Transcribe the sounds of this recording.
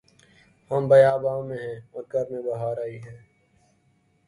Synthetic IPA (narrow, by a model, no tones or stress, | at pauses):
həmbɐjaːbaːmẽɦɛ̃ːɔːɾkəɾmẽbɐɦaːɾaːiːɦɛ̃ː